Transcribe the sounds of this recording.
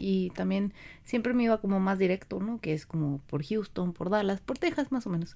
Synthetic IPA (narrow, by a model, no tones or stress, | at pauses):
it̪ambje̞nsje̞mpɾe̞me̞iβako̞mo̞mazðiɾe̞kt̪o̞no̞ke̞esko̞mo̞po̞ɾxjust̪o̞npo̞ɾðalaspo̞ɾt̪e̞xasmaso̞meno̞s